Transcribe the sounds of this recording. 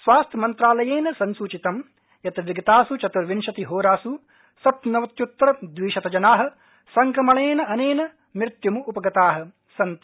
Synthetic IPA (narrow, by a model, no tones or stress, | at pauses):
sʋaːst̪ʰjɐmɐnt̪ɾaːlɐjeːnɐsɐnsuːt͡ʃit̪ɐm | jɐt̪ɐʋiɡɐt̪aːsut͡ʃɐt̪uɾʋinʃɐt̪iɦoːɾaːsu | sɐp̚nɐʋɐt̪jut̪ːɾɐd̪ʋiːʃɐt̪ɐd͡ʒɐnaːɦɐ̆ | sɐŋkɐmɐɭeːnɐɐneːnɐ | mɾt̪jɐmuupɐɡɐt̪aːɦɐ̆ | sɐnt̪